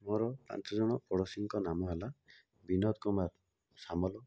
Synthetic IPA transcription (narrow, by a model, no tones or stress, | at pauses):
mɔɾɔpa̰nt͡ʃɔd͡ʒɔɽ̃ɔpɔɽɔsiŋkɔnamɔɦala | binɔt̪kɔmaɾ | samɔlɔ